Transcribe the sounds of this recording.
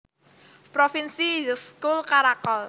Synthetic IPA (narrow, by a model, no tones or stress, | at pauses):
pɾofinsizəskulkaɾakɔl